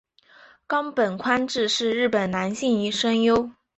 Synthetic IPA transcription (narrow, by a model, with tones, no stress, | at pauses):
kɑ˥ŋpə˨˩nkʰwa˥nʈ͡ʂɻ̩˥˧ʂɻ̩˥˧ɻɻ̩˥˩pə˨˩nna˧˥nɕi˥˩ŋi˧˥ʂə˥njo˥ʊ